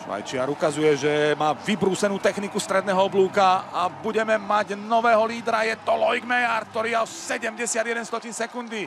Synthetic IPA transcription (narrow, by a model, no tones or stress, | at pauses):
ʃʋa̰jt͡ʃɪaɾukazujɛʒɛmaːʋibɾuːsɛnuːt̪ɛxnikust̪ɾɛd̪nɛːɦɔɔbluːkaabuɟɛmɛmaɟnɔʋɛːɦɔliːd̪ɾajɛt̪ɔlɔjɡmɛjaɾ̚t̪ɔɾiːaɔsɛɟɛmɟɛsɪad̪jɛd̪ɛnst̪ɔciːnsɛkund̪i